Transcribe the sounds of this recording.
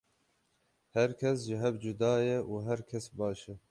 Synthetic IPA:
hɛɾkʲʰɛsʒɪɦɛvd͡ʒud̪ɑːjɛʔuːɦɛɾkʲʰɛsbɑːʃɛ

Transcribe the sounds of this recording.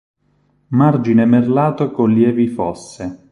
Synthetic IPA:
mard͡ʒinemerlaːt̪okoljɛːvifɔsːe

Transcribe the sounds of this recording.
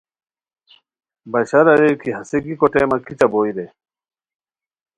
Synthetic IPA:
bɐɕɐɾɐɾekʰiɦɐseɡikoʈeːmɐkit͡ɕɐboːiɾe

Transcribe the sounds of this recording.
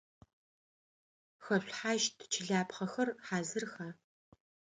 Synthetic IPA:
xɐɕʷħaːʒtʰt͡ʃʰɪɮaːpχɐxɐrħaːzɨrxaː

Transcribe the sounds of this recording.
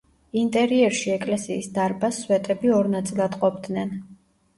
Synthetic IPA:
int̪ʼɛɾiɛɾʃiɛkʼlɛsiːsd̪aɾbasːwɛt̪ʼɛbiɔɾnat̪sʼilˠad̪qʼɔbd̪nɛn

